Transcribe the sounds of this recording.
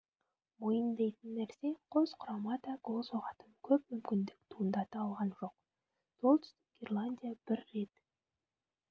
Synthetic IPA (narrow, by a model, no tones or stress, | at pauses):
mojənd̪ejt̪ənːæɾse̞qʰo̞zqʰʊɾɑmɑt̪ɑɡo̞lˠsoʁɑt̪ənkʲʰɵp̚mʏmkʲɪnd̪ɪk̚t̪ʰuənd̪ɑt̪əɑlˠʁɑnʒo̞q̚ | so̞lˠt̪ʰʏst̪ɪ̥k̚ɡʲerlˠanʲd̪ʲijab̥ɪɾːe̞t̪